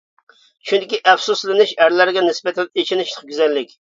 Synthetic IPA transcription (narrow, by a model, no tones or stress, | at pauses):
t͡ʃʰynd̪ɪkʲiʔɛfsuslɨnɪʃæɾlæɾɡʲɛnɪsbɛt̪ʰɛet͡ʃʰɪnɪʃlˠə̥qɡʲyzɛlːɪkʲ